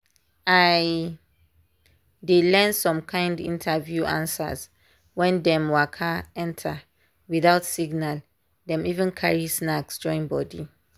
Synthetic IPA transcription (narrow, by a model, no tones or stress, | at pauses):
aj | dilɛ̃nsɔ̃mkʰãj̃ndḭ̃ntʰavjuʔã̰nsa̰z | wɛ̃ndɛ̃mwakʰaɛ̃ntʰa | wiðaʊtsiɡnal | dɛ̃mivɛ̃nkʰaɹisnaksd͡ʒɔĩnbɔdi